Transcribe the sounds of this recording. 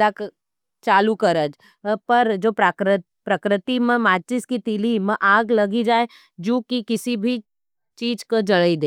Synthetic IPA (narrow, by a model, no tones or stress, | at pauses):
ak | t͡ʃaːlukɐɾəd͡ʒ | pɐɾd͡ʒoːpɾakɾ | pɾɐkɾɪt̪imə̃maːt͡ʃɪskit̪ɪlimɛ̃ʔaːɡlɐɡid͡ʒaːe | d͡ʒõːkikɪsibʱi | t͡ʃiːd͡ʒkod͡ʒɐɽəid̪eː